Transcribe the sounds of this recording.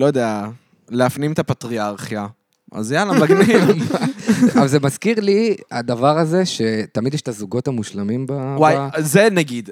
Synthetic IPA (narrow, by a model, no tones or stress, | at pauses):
lojod̪ea | leafnimet̪apat̪ʁiaʁχja | ʔa̰zjanamaɡniv | avzemazkiʁliad̪avaʁaze̞ʃe̞t̪amid̪jɛʃetazuɡo̞thamuʃlamimbawajzenaɡid̪